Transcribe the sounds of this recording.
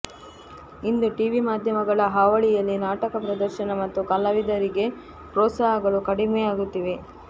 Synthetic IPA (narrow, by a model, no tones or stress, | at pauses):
ind̪uʈiʋimaːd̪ʱjɐmɐɡɐɭɐɦaːʋɐɭijɐlːinaːʈɐkɐpɾɐd̪ɐɾʃɐnɐmɐt̪ːukɐlːɐʋid̪ɐɾiɡe̞ | pɾɔːsaːɦɐɡɐɭukɐɽimejaːɡut̪ːiʋe